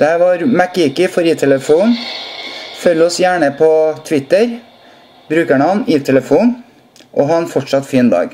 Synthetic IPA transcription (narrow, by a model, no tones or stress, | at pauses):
d̪̥ɛhæːɾʋɑːɾmækɪkɪfɔɾiːt̪ʰɛləfuːn | fœlːɔsjæːɳəpʰɔt̪ʰʋɪt̪əɾ | bɾʉːkæɳəɑnit̪ʰɛləfuːn | ʔɔɦɑːɛnfɔʈʂɑt̪fiːnd̪ɑ̰ːɡ